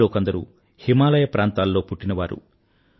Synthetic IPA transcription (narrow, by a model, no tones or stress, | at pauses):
o̞ːkɐnd̪ɐɾṵ | himaːlɐjɐpɾaːnt̪aːlːo̞ːpuʈːinɐʋaːɾṵ